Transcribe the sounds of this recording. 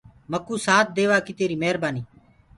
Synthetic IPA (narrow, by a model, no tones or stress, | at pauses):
məkːuːsaːt̪̚ʰd̪eːʋaːkit̪eːɾiːmɛːɾbaːniː